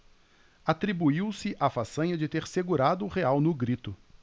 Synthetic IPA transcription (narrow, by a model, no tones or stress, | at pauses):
at̪ɾibuiwsɪʔafasɐ̃ɲɐd͡ʒɪt̪eɾseɡuɾad̪ʊːʁeawnʊɡɾit̪ʊ